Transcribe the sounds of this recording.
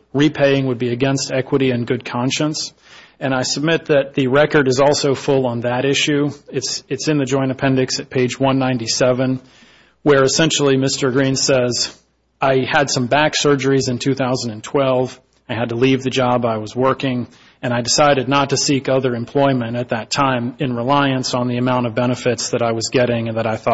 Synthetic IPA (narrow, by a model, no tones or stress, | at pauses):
ɹipʰeɪɪ̃ŋwəd̚biɨɡɛ̃nstɛkwəɾiɨ̃nɡʊd̚kʰɑ̃nʃɨ̃ns | ɨ̃ɾ̃aɪsəb̚mɪt̪̚ðɨt̪̚ðɨɹɛkə˞ɾɨzɔlˠsoʊfʊlˠə̃nðɨɾɪʃʉɨtsɨtsɨ̃nðɨd͡ʒɔ̃ɪ̃ɾ̃ɨpʰɛ̃ndɨksɨt̚pʰeɪd͡ʒwʌ̃nːãɪ̃ntisɛvɨ̃n | wə˞ɨsɛ̃nʃl̩ˠimɪstə˞ɡɹĩnsɛz | aɪɨd̥sʌ̃mbæksɜ˞d͡ʒə˞izɨ̃ntʰʉθaʊzn̩dɨ̃n̩tʰw̥ɛlˠv | aɪɨd̚təlivðɨd͡ʒɑbaɪwʌzwɜ˞kɪ̃ŋ | ɨ̃ɾ̃aɪdɨsaɪɾɨdⁿnətɨsikʌðə˞ɨ̃mpʰl̥ɔɪmɨ̃ñɨt̪̚ðɨtʰãɪ̃mɨ̃nɹəlaɪɨ̃nsn̩ðiɨmãʊ̃ɾ̃ʌvbɛñɨfɨtsðɨɾaɪwʌzɡɛɾɪ̃ŋɨ̃nðəɾaɪθɔ